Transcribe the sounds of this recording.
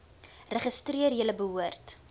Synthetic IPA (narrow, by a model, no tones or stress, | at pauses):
rəχəstriərjələbəɦuərt